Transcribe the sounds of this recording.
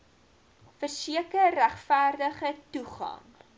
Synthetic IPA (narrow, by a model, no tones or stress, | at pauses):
fərsiəkərːæχfæːrdəχətuχɐ̰ŋ